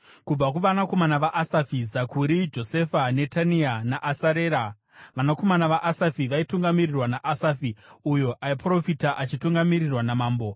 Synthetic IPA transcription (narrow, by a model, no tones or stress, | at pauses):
kub͡vak̬uʋanako̞manaʋaʔasafizakuɾid͡ʒo̞se̞fane̞tanianaʔasaɾeːɾa | ʋanako̞manaʋaʔasafiʋaituŋɡamirirwanaʔasafiujo̞ʔaipro̞fitaʔat͡ʃituŋɡamirirwanamaːmbo̞